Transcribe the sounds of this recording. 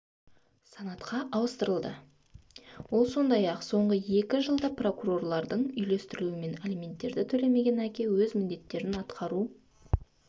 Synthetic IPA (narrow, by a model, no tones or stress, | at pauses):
sɑnɑt̪qʰɑʔɑwəst̪əɾəlˠd̪ə | wo̞lˠso̞nd̪ɑjɑqso̞ɴʁəje̞kʲɪʒəlˠd̪ɑpro̞kuro̞rlˠɑɾd̪əɴʏjle̞st̪ɪɾɪluɪme̞nelʲimʲe̞nt̪ːe̞ɾd̪ɪt̪ʰɵle̞me̞ɡʲe̞nækʲe̞wɵzmɪnd̪e̞t̪ːe̞ɾɪnɑt̪qʰɑɾu